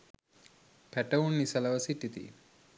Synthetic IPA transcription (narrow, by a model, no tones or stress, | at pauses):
pɛʈɐwunːisɐlɐʋɐsiʈːit̪ḭ